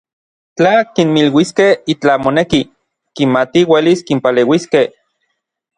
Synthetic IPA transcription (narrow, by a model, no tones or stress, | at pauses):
t͡ɬakinmilwiskehit͡ɬamoneki | kimat̪iweliskimpaleːwiskeh